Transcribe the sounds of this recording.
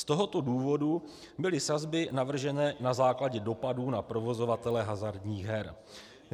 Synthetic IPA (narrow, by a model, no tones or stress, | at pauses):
st̪o̞ɦo̞t̪o̞duːvo̞du | bɪlɪsazbɪnavr̩ʒɛnɛːnazaːklaɟɛdo̞paduːnapɾo̞vo̞zo̞vat̪ɛlɛɦazaɾdɲiːɣɦɛɾ